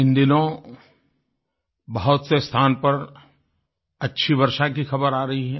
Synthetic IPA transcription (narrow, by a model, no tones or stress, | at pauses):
ɪ̃nd̪ɪnõ | bɐɦʊt̪sest̪ʰaːnpɐɾ | ɐtːʃʰibɐɾʃakixɐbəɾaːɾɐɦiɦɛ̃ː